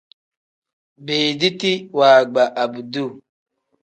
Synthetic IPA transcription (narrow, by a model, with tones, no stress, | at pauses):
beː˨di˦ti˦waː˨ɡ͡ba˨ʔa˨bu˨du˦˨